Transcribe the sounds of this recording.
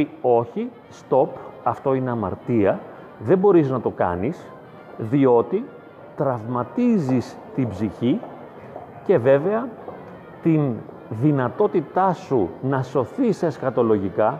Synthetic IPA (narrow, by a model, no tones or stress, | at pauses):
o̞çi | st̪o̞pɐft̪o̞ine̞ɐmɐ̰ɾt̪iɐ | ðe̞bo̞ɾiznɐt̪o̞kɐ̰nis | ðio̞t̪i | t̪ɾɐvmɐt̪izis | t̪ibziçi | ce̞ve̞ve̞ɐ | t̪in | ðinɐt̪o̞t̪it̪ɐsunɐso̞θisesxɐt̪o̞lo̞ʝikɐ